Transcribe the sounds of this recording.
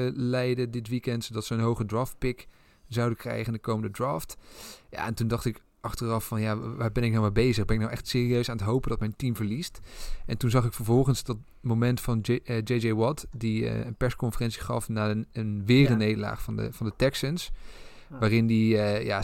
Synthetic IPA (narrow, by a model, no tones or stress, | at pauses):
əlɛjdədɪtʋikɛntsodɑtsəənɦowχədɹaːft̚pɪk | zɑwdəkrɛ̰jχəndəkowməndədɹaːftja̰ɛntundɑχtɪk | ʔɑχtərɑfɑnjaʋaːbɛnɪknɑwmabejzəχbɛnɪknawʔɛχtsɪːriøɥsaːnətɦowpəndɑtmɛjntimvəɹlistʔɛntunzɑχɪkfəɹvɔlˠχənsdɑt | momɛntfɑnd͡ʒejd͡ʒejwɔtdiə̰ənpɛskɔnfərɛntsi̥χɑ̰fnaːənʋɪːrənejdəla̰ːχfɑnə̰vɑndətɛksəns | ʋaːrɪndiəja̰